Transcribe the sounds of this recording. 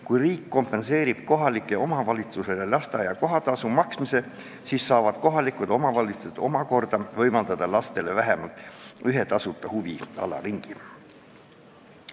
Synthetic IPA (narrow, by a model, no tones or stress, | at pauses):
kujriːkːo̞mpˑe̞nse̞ːɾib̥ko̞ɦɑlikːˑe̞o̞mɑvɑlʲit̪suse̞lelɑst̪ɑɑjɑko̞ɦɑt̪ɑsumɑksmise̞ | siːsːɑːvɑd̪̥ko̞ɦɑlikud̪o̞mɑvɑlʲit̪su̥sed̪̥o̞mɑko̞rd̪̥ɑvɤjmɑld̪̥ɑd̪̥ɑlɑst̪e̞le̞væɦe̞mɑlt̪ˑyɦe̞t̪ɑsut̪ːˑɑhuviɑ̰lɑ̰riŋɡ̥i